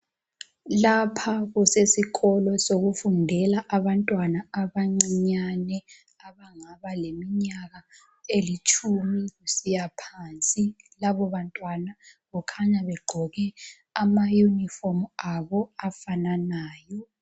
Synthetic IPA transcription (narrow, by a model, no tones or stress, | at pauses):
lapʰaɣusesiɣɔlɔsoɣufundʱɛlaʔaβantʼwanaaβaŋ͡ǀiɲanɛ | aβaŋaβalemiɲaɣa | elit͡ʃʼʰumiɣusijapʰaːnt͡sʼilaβɔβantʼwanaɣɔkʰaɲaβɛɡ͡ǃʱɔɣɛ | amajunifɔmaβɔafananaːjɔ